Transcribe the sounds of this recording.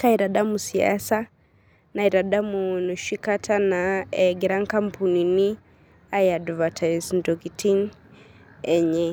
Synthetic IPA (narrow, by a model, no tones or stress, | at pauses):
kaiɾaɗamusia̰sa | naiɾaɗamunuʃikatʰanaɛɡɛɾaŋkam̩pʰunini | ajadvatʰazndɔɡitʰin | ɛɲɛ